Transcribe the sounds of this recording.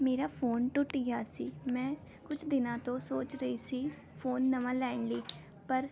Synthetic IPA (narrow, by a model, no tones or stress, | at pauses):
meːɾaːpʰoːnʈʊʈɡɪaːsiːmɛ̃ː | kʊt͡ʃʰd̪ɪnãːt̪õːsoːt͡ʃɾəiːsiː | pʰoːnːəmãːlɛːɳləiː | pəɾ